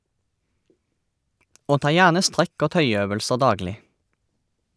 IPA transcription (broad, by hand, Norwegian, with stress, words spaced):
ˈoː ˈtɑː ˈjæːʁnə ˈstʁɛk ˈoː ˈtœʏˌøːʋəlsə ˈdɑːɡlɪ